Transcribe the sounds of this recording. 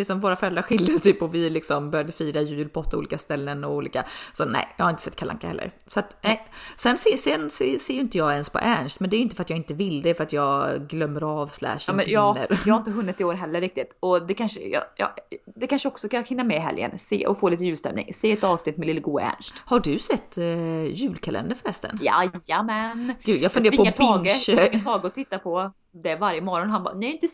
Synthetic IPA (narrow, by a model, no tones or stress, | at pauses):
ɪksɔmvoːɾafœɾɛld̪ɾaɧɪljadsɛjpʰɔvɪlɪksɔmbœɾjad̪əfiːɾajʉ̟ːlpʰɔt̪ʰːṵliːkast̪ɛlːənɔuːlḭːkasɔnɛ̰ɪjɑhaɾɪnə̥sɛt̪kʰala̰ŋkahɛlːə̰ɾ | sɔat̪nɛsɛnseːsɛnseːseːjʏʏnt̪əjɑːɡɛnspʰɔ̰ʔæɳʂʈ̪mɛnd̪ɛæɾʏɪnt̪əfœɾat̪jɑːɪnt̪əvɪlːd̪ɛfœɾat̪jɑːɡɡlœmːəɾɑvslæ̰ːʂmɛjɑːə̰ɾːhaɾɪnt̪əɦɵnːɪt̪ːɪoːɾɦɛlːəɾɪk̚t̪ɪt̪ɔd̪ɛkʰanʂə̰jɑ̰jɑ̰ːd̪ɛkʰanʂəɔksɔkahɪnːamɛɦɛ̰ljə̰nsḛːʔɔ̰foːliːt̪əjʉːlst̪ɛ̰mnɪ̰ŋseːɛt̪ɑːvsnɪt̪ːmɛlɪlːəɡṵːæ̰ɳʂthaɖɵsɛt̪ːjʉ̟ːlkʰalɛ̰nd̪əɾfœɾhɛst̪ə̰nja̰amɛnɡ̥ʉːd̪jɑɡfɵneːɾpɔːap̪ʰːɡət̪ʰɑːɡɔt̪ʰɪt̪ːapʰɔ | d̪ɛvaɾjəmɔɾɔnɦanbɑ̰ːnɛɪnt̪ə